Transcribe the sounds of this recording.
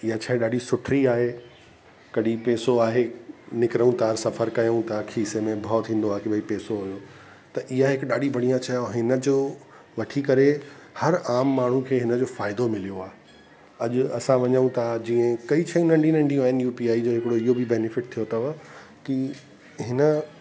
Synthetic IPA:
ɪɦat͡ɕʰaːĩɗaːɖisʊʈʰɾiaːɦe | kɐɗipɛːsoaːɦenɪkɪɾəũt̪aːɾsɐfʰəɾkɐjəũt̪ʰakʰisemẽbʱaːt̪ʰĩːn̆d̪oaːɦekibɐipɛːsoɦʊjoː | t̪ɐʔɪɦaɦɪkɗaːɗibʱɐɽ̤̃ijãt͡ɕɐjoɦɪnəd͡ʑoː | ʋɐʈʰikɐɾehɐɾaːmːaːɳ̤ũkʰeːɦɪnə̆d͡ʑoːfaːɪd̪omɪlijoaː | ɐʄʊɐsãʋɐɲəũt̪ʰad͡ʑĩːə̃kɐit͡ɕʰɐjũnɐ̃ɳɖinɐ̃ɳɖijũaːɦɪnjuːpiaːid͡ʑoːɦɪkɪɽoɪɦobɪbɛːnɪfɪʈ̚t̪ʰijot̪ɐʋə | ki | ɦɪnə

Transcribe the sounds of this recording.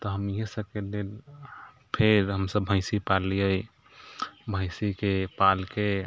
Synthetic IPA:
t̪ɔɦəmiɦẽsəkelel | pʰeɾɦəmsəbbʱə̃ɪsipalijəj | bʱə̃ɪsikepalke

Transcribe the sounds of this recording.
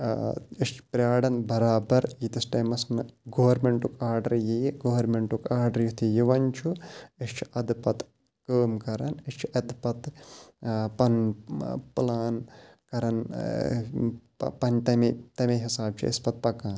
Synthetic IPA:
iʃt͡ʃʰpɾʲjaːɽɐnbɐɾaːbɐɾit̪ɐsʈɐjmɐsnɨɡoːʋɐɾmeɳʈukʰaːɾɖɐɾjijɡoːʋɐɾmeɳʈukaːɾɖɐɾjut̪ʰijiʋɐɲt͡ʃʰuiʃt͡ʃʰi̥ʔɐd̪pɐt̪ | kəːmkɐɾɐniʃt͡ʃʰiʔɐd̪pɐt̪ | pɐn | plaːn | kɐɾɐn | pɐnʈ̪ɐmet̪ɐmeɦisaːb̚t͡ʃʰḭɐ̰spɐt̪̚pɐkaːn

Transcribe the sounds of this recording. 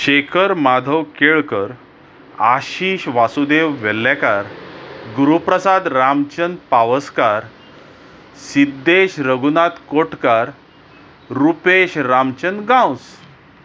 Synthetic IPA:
ɕekʰəɾmad̪ʱəwkeɭkəɾ | aɕiɕʋasud̪eʋʋɛlːakaɾɡuɾupɾəsad̪ɾamt͡ɕənpaʋəskaɾ | sid̪ːeɕɾəɡunat̪koʈkaɾ | ɾupeɕɾamt͡ɕənɡãws

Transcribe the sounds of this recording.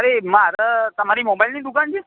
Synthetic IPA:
əɾemaɾət̪əm̤aɾiːmobajlniːd̪ukand͡ʑiː

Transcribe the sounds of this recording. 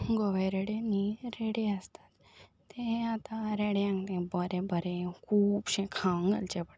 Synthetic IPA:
ɡɔʋajɾeɽeniɾeɽeəst̪ḁt̪ː | ẽat̪aɾeɽeãŋɡt̪ẽbəɾẽbəɾekʰuːbɕẽkʰaŋɡə̰lt͡ɕepəɽ

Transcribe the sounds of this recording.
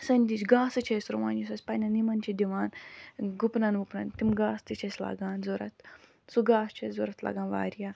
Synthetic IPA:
sɐnʲd̪it͡ʃɡaːsɨt͡ʃʰɐjsɾuʋa̰ːnjisɐsʲpɐjnɐnimɐnt͡ʃʰid̪iʋaːnɡupnɐnʋupnɐnt̪imɡaːst̪ɨt͡ʃʰɐsʲla̰ɡaːnzoɾɐt̪ | suɡaːst͡ʃʰɐszoɾɐt̪lɐ̰ɡaːnʋa̰ːɾjaː

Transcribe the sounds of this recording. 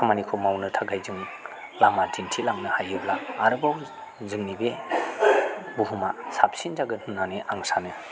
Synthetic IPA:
kʰamanikʰomawnɯtʰaɡajzɯŋ | lamadintʰilaŋnɯhajɯblaːɾɯbaw | zɯŋnibe | buɦumasapsind͡ʒaɡɯhunːaneʔaŋsanɯ

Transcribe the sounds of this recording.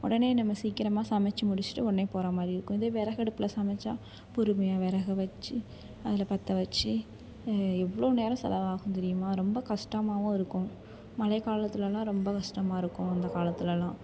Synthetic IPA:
ɔ̰ɽɐneːnɐmːɐsiːkːɪɾɐmaːsɐmɛt͡ʃːɐmʊɽɪt͡ʃːɪ̥ʈːɯɔɽɐneːpoːɾamaːd̪ɾiɪɾɯkːʊ̃ɪðeːʋɛɾɐɣɛɽɯpːɪlɐsɐmɛt͡ʃːaː | pʊɾɯmɐjaːʋɛɾɐɣɐʋɐt͡ʃːɯ | ɐðɪlɐpɐt̪ːɐʋɐt͡ʃːi | ɛʋːɐɭoːneːɾɐ̃sɛ̰lɐʋaːɣɯ̃t̪ɛɾɪjɯmaːɾɔmbɐkɐʂʈɐmaːʋʊ̃ɪɾɯkːʊ̃ | mɐlɐɪkaːlɐt̪ːɪlɛlːãːɾɔmbɐkɐʂʈɐmaːɪɾɯkːʊ̃ɐnd̪ɐkaːlɐt̪ːɪlɛlãː

